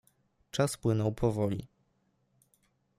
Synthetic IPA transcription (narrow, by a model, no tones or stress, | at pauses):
t͡ʂaspwɘnɔwpʰɔvɔlʲḭ